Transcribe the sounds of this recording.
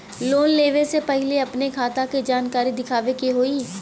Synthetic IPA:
loːnleːʋesepɐɦɪleɐpnekʰaːt̪aked͡ʒaːnkaːɾid̪ɪkʰaːʋekiɦoːiː

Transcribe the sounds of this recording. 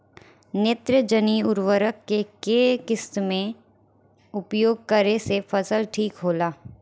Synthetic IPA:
neːt̪ɾəd͡ʒəniʊɾʋəɾəkːekeːkɪst̪mẽ | ʊpjoːɡ̚kəɾesefʰəsəlʈʰiːkɦoːlaː

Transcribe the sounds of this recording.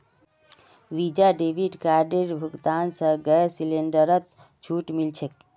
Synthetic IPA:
ʋid͡ʒaɖebʱiɖkaɾɖeɾbʱuɡt̪ansə̃ɡəsileɳɖəɾət̪ | t͡ʃʰuʈmilt͡ʃʰek

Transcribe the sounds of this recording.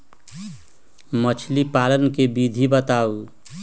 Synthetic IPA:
mət͡ʃʰlipalənkebid̪ʱibət̪au

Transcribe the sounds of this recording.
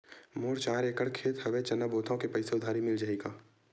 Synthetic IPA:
mʊːɾt͡ʃaːɾeːkəɽkʰeːt̪ɦɐʋet͡ʃɐnəboːt̪ʰaõkepɐɪseʊd̪ʱaːɾimɪld͡ʒaːeɡaː

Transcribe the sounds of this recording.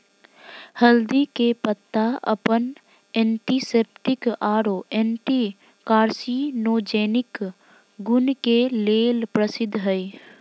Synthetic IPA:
həld̪ikepət̪ːaə̰pən | ɛ̃ːɳʈiseːpʈɪkaːɾoːʔẽːɳʈi | kaːɾsinoːd͡ʒeːnɪk | ɡʊnkeleːlpɾəsɪd̪ʱɦəi

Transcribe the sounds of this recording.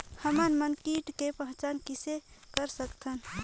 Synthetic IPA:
həmənmənkiːʈkepəɦə̃t͡ʃaːnkisekəɾsəkt̪ʰən

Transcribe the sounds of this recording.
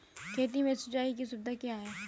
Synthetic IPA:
kʰeːt̪imẽsʊt͡ʃaːikisʊb̚d̪akjaːɦɛː

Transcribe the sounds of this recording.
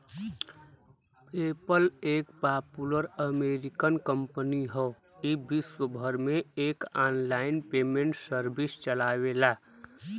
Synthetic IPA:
peːpəleːkpaːpuləɾəmeːɾɪkənkə̃mpəniɦɔ | ibɪswəbʱəɾmẽeːkaːnlaːɪnpeːmẽɳʈsəɾbɪst͡ʃəlaːwelaː

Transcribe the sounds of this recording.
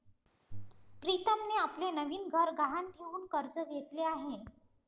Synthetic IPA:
pɾit̪əmneaplenəʋiːnɡʱəɾɡʱaɦaɳʈʰeʋuːnkəɾd͡zəɡʱet̪leaɦe

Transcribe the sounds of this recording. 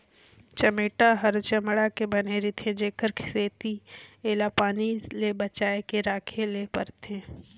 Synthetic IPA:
t͡ʃɐmeːʈaɦəɾt͡ʃɐmɽakebɐneɾit̪ʰẽd͡ʒeːkəɾkʰɪ̥seːt̪ieːlapaːnilebət͡ʃaːekeɾaːkʰelepɐ̰ɾt̪ʰẽː

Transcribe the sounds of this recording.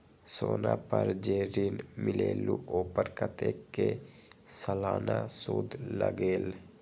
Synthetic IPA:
soːnaːpəɾd͡ʒeːɾinmɪleːluoːpəɾkət̪eːke | səlaːnasuːd̪ləɡeːl

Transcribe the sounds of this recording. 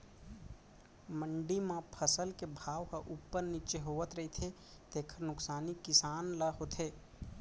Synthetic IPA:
məɳɖimãpʰəsəlkebʱaʋɦəʔupːəɾnit͡ʃeɦoʋət̪ɾəɦit̪ʰe | t̪ekʰəɾnʊksaːnikisanləɦot̪ʰe

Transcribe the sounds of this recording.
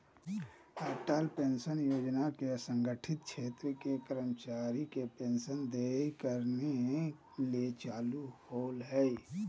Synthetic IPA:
haːʈaːlpẽːnʃənjoːd͡ʒnakeəsə̃ŋɡəʈʰɪt̪̚kʰʃʰeːt̪ɾkekəɾəmt͡ʃaːɾikepẽːnsənd̪eːkəɾne | let͡ʃaːluhoːlɦɛ

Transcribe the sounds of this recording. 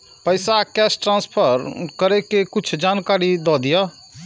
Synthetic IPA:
pəɪsakɛsʈɾãnspʰəɾkəɾekekʊt͡ʃʰd͡ʒaːnkaɾid̪ɔd̪ija

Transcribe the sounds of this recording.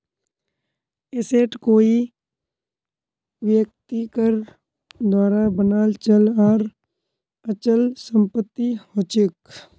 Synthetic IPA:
eseːʈkoːi | ʋjək̚t̪ikəɾ | d̪waːɾabənaːlt͡ʃəlɔːɾ | ət͡ʃəlsə̃mpət̪ːihoːt͡ʃɪk

